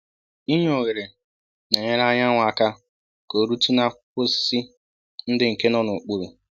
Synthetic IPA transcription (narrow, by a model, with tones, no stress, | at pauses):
i˦ɲ˦o˨ɣe˨ɾe˨ | ne˨ɲe˦ɾa˦ɲa˦ŋʷa˨ka˦ | ko˨ɾu˦tu˦na˦kʊ˦si˦ | n̩˦dɪ˨ŋ̩˨ke˦nɔ˦nʊ˨k͡pu˦ɾu˨